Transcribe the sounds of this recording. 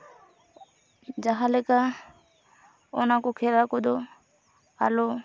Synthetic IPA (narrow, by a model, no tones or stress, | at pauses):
d͡ʒaɦalɛka | ɔnakokʰelakɔd̪o | a̰lo